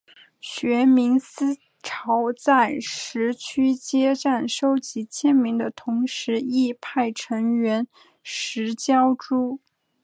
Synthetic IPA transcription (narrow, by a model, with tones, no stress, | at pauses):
ɕɥɛ˧˥mi˧˥ŋsɹ̩˥ | ʈ͡ʂʰɑ˧˥ʊt͡sa˥˩ɪʂɻ̩˧˥t͡ɕʰy˥t͡ɕjɛ˥ʈ͡ʂa˥˩nʂo˥ʊt͡ɕi˧˥t͡ɕʰjɛ˥nmi˧˥ŋd̪ə˧t̪ʰʊ˧˥ŋʂɻ̩˧˥i˥˧pʰa˥˩ɪʈ͡ʂʰɤ˧˥ŋɥɛ˧˥n | ʂɻ̩˧˥t͡ɕjɑ˥ʊʈ͡ʂu˥